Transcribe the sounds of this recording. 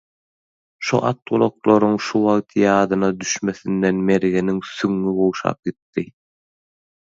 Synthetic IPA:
ʃṵʔɑt̪̚ʁulˠoqlˠoɾuŋʃuwɑʁt̪ʰjɑːd̪ɯnɑd̪yʃme̞θind̪enmeɾɣeniŋsyŋːibowʃɑ̰ːp̚ɡit̪ːi

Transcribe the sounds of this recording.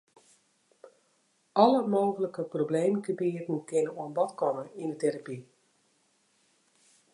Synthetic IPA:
ʔɔləmoːɣələkəprowbleːməkəbiətn̩kɪnəoənbɔtkɔməindəteɾapi

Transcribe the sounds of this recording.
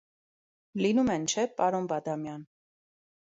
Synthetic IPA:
linumɛnt͡ʃʰɛpɑɾɔnbɑd̪ɑmjɑn

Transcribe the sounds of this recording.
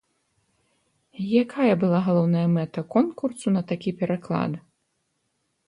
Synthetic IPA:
jakʰajɐbɨlˠaɣalˠɔwnɐjɐmɛt̪ɐkɔnkursunɐt̪akʲipʲɛɾaklˠa̰d̪ɨ

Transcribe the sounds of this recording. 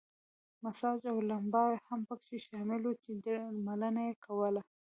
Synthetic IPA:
masɑd͡ʒawlambɑwehampəkʃeʃɑmɪlot͡ʃed̪malənajekʰawəla

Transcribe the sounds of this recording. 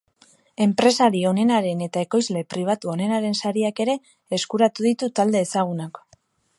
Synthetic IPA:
e̞mpɾe̞saɾio̞ne̞naɾe̞ne̞t̪ae̞ko̞jzle̞pɾiβ̞at̪uo̞ne̞naɾe̞nsaɾiake̞ɾe̞ː | skuɾat̪uðit̪ut̪ald̪e̞ːsaɣ̞unak

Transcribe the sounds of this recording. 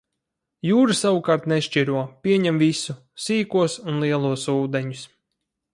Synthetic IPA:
juːɾɨsawukaɾt̪neʃt͡ʃiɾuɔpʲiɛɲɛmvisu | siːkuɔsunlˠiɛlˠuɔsuːd̪eɲus

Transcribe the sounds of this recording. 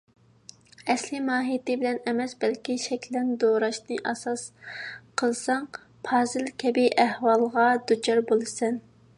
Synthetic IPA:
ɛslɪmɑːɦijt̪ɪbɪlɛnɛmɛsbɛlkʲiʃɛkʲʰlɛnd̪oɾɑʃnɨʔɑsɑsqʰəlˠsɑŋ | pʰɑːzɨlkʲʰɛbiʔæhwɑlˠʁɑd̪̥ut͡ʃʰɑɾbolˠɨsɛn

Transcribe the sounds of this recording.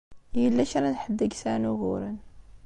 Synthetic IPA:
jəlːæʃɾˤanħəd̪ːəɡsænuɣṵɾən

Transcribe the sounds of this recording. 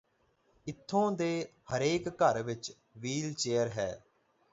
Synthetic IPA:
ɪt̪ʰːõːd̪eːhəɾeːkːəɾʋɪt͡ʃ | ʋiːlt͡ʃeːəɾɦɛ̰ː

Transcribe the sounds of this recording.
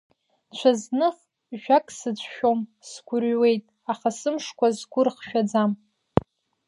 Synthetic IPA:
t͡ɕʷʰaznɨχ | ʒᶣakʼsɨt͡sʷʰʼʃomsɡʷʊrɥwe̞jtʼ | aχasɨmʂkʷʰazɡʷʊrχʃᶣad͡zam

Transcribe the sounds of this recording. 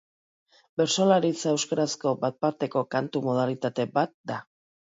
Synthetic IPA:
be̞ɾsolaɾit͡sewskaɾasko̞bat̪̚paɾt̪e̞ko̞kant̪umo̞ð̞alit̪at̪e̞bat̪̚d̪a

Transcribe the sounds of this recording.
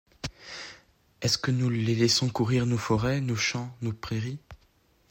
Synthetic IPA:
ɛskənulelɛsɔ̃kuʁiʁnofɔʁɛnoʃɑ̃nopχeʁi

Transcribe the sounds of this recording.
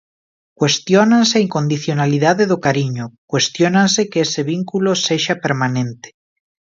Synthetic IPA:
kwe̞st̪jonanseaiŋkond̪iθjonaliðaðeðokaɾiɲokwe̞st̪jonansekeeseβ̞iŋkuloseʃapeɾmanẽnt̪e̥

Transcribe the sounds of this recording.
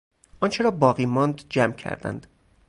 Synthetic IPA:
ʔɒnt͡ʃʰeɾɒːbɒːɣiːmɒnd̪d͡ʒæmcʰæ̰ɾd̪æ̰nd̪̥

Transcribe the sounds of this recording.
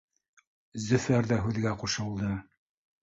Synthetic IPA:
zɵ̆fæɾðæɦʉðɡæquʃɤ̆lˠd̪ɤ

